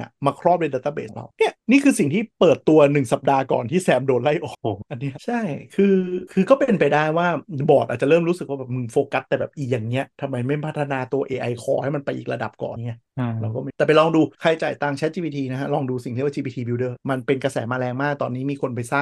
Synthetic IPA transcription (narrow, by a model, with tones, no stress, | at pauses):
a̰˧˩maː˧kʰɾɔː˥˩p̚de˧da˧˩t̪ːaː˧bḛː˨˩˦ŋɾa̰˧wni˦˥˩ɐniː˥˩kʰɯː˧si˨˩ŋt̪ʰiː˥˩pɤː˨˩t̪ːu˧ɐnɯ˨˩ŋsa˨˩p̚daː˧kɔ̰ː˨˩nt̪ʰiː˥˩sɛː˧mdoː˧n̚la˥˩jʔɔ̰ː˨˩kʔa˧nːi˦˥t͡ɕʰa˥˩jkʰɯː˧kʰɯː˧kɔː˥˩pee˧npa˧jdaː˥˩jwaː˥˩bɔː˨˩t̪̚aː˨˩t͡ɕa˨˩ɾɤː˥˩mɾuː˦˥sɯ˨˩k̚waː˥˩bɛː˨˩pmɯ˧nfoː˧ka˦˥tt̪ɛː˨˩bɛː˨˩p̚ʔiː˨˩jaː˨˩ŋni˦˥ɐt̪ʰa˧mːa˧jma˥˩jpʰa˦˥t̪ʰːa˧naː˧t̪u˧ɐʔeː˧ʔa˧jkʰɔ̰ː˨˧ha˥˩jma˧npa˧jʔḭː˨˩ɾa̰˧da˨˩p̚kɔ̰ː˨˩ŋi˦˥ɐɾa˧wkɔː˥˩ma˥˩t̪ɛː˨˩p̬a˧jlɔː˧ŋduː˧kʰa˧jt͡ɕa̰ː˨˩jt̪aː˧ŋt͡ɕʰɛ˦˥t̪̚t͡ɕiː˧biː˧t̪ʰiː˧na˦˥kʰa˦˥lɔː˧ŋduː˧si˨˩ŋt̪ʰi˥˩wa˥˧t͡ɕi˧biː˧t̪ʰiː˧bi˧wdɤː˧˩ma˧npe˧nka˧sɛ̰ː˩˦maː˧lɛː˧ŋmaː˥˩k̚t̪ɔː˧nːiː˦˥miː˧kʰo˧npa˧jsaː˥˩p̚